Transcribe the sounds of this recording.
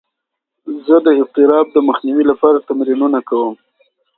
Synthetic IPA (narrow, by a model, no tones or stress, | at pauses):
zəd̪əɪq̚t̪ɪɾɑb̚d̪əməxniwilapɑɾat̪amɾinunakawəm